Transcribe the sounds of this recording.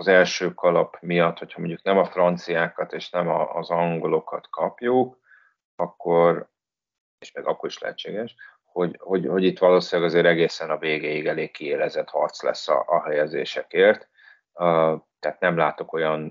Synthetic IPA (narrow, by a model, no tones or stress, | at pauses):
ɒzɛlʃøːkɒlɒpmijɒt̪ho̞chɒmoɲɟuknɛmɒfrɒnt̪sijaːkɒt̪eːʃnɛmɒːzɒŋɡo̞lo̞kɒt̪kɒpjuk | ɒkːo̞r | eːʃmeːɡɒkːo̞ɾiʃlɛ̰ɦɛt͡ʃːeːɡɛʃ | ho̞ɟho̞ɟho̞ɟit̪ʋɒloːsinlɛɡɒzeːɾɛɡeːsɛnɒveːɡeːjiɡɛleːkːieːlɛzɛt̪hɒrt̪slɛ̰sːɒ̰ʔɒɦɛjɛzḛːʃɛkeːrt̪ | t̪ːɛaːt̪nɛmlaːt̪o̞ko̞jɒn